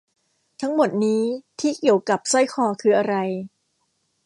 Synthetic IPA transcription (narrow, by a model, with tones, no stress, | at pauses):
t̪ʰa˦˥ŋmo˨˩t̪̚niː˦˥t̪ʰiː˥˩ki˨˩əwka˨˩p̚sɔ˥˩jkʰɔː˧kʰɯː˧ʔa˧ɾa˧j